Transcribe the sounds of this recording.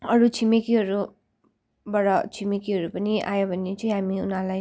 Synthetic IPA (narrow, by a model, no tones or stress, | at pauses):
ʌɾut͡sʰimekiɦʌɾu | bʌɽʌt͡sʰimikiɦʌɾupʌniʔa̰jobʱʌnːet͡sʌĩɦamiunãlaj